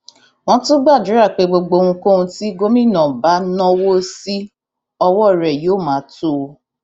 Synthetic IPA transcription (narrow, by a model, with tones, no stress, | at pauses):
w̃ɔ̃˦tʊ̃˦ɡ͡ba˦˨dʊ˨˦ɾa˦˨k͡pe˧ɡ͡bo˨ɡ͡bo˧ŋũ˧ko˦˨nũ˧ti˦ɡo˦mĩ˦˨nɔ̃˨ba˨˦nɔ̃˦wo˦si˦ | ɔ˦wɔ˦˨ɾɛ˨jo˨˦˨mãː˨˦tu˦˨˦